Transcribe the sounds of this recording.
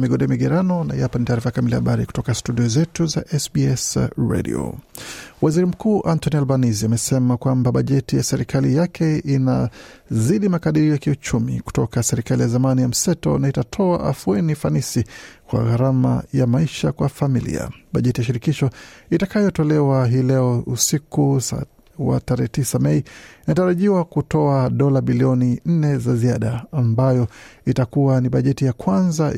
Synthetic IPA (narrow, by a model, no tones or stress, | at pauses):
miɠɔɗɛmiɠɛɾanɔna̰japanitaːɾifajakamiliaaɓaɾiku̥tɔkastuɗiɔzɛtuzaʔɛsbiɛsɹɛ̰ɗḭɔ̰ | waziɾim̩kuːʔantɔnialvaniziamɛsɛmakwambaɓaʄɛtijasɛɾikʰalijakʰɛinaziɗimakaɗiɾiɔjakiut͡ʃumḭku̥tɔkasɛɾikalijazamanijam̩sɛtɔ̰naitatʰɔa̰ʔafuɛnifanisikwa̰ɣaɾama̰jamaiʃakwafamilḭa̰ɓaʄɛtijaʃiɾikiʃɔitakajɔtɔlɛwaɦiːlɛɔusikus | wa̰taɾɛhɛtisamɛiinataɾaʄiwakutɔaɗɔlaɓiliɔnin̩nɛzaziaɗaːmbajɔitakuwaniɓaʄɛtijakwanza